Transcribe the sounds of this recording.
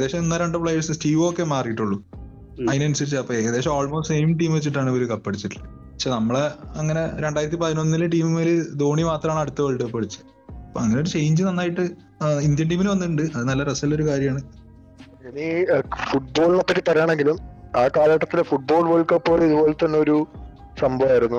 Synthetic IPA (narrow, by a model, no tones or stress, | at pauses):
ɐd̪eːɕɐmenːɐɾeɳɖɨpɭɐjɐsɨstiːʋoːkːe̞maːrkiʈːuɭːu | ɐðinɐnusɐɾit͡ɕːɨɐpːoɐd̪eːɕɐmoːɭmoːsʈsejmʈiːmʋet͡ɕːiʈːaːɳɨoɾukɐpːɐɽit͡ɕːiʈːɨlːɐ | pɐkɕeːnɐmːɐɭeɐŋːɐne̞ɾe̞ɳɖaːjiɾɐt̪̬ːipɐðinonːilɨʈiːmmeːled̪o̞ːɳimaːt̪rɐmaːɳɐɽut̪ːɐʋɐɭʈːɨpːɐɽit͡ɕːɨ̥ | ɐpoɐŋːɐneoɽut͡ɕe̞jɲd͡ʑɨnɐnːaːjiʈːɨ | ind̪jɐɳʈiːminɨʋɐnːuʈːuɳɖɨɐðɨnɐlːɐɾɐsɐlːo̞ɾukaːɾjɐmaːɳɨ | enifuʈ̚bo̞ːɭinɐpːɐkʲːɨt̪ːɐrɐjaːɳe̞ŋɡilumaːkaːlɐʈːɐt̪ːilefuʈ̚bo̞ːɭʋɐɭkɐpːo̞ːliðubo̞ːlet̪ɐnːe̞o̞ɾu | sɐmbɐʋaːjiɾunːu